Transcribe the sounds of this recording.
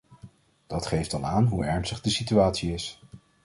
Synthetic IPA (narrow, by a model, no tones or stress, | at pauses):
d̥ɑtχejftɑlˠaːnɦuɛɹnstəχdəsityaːtsiɪs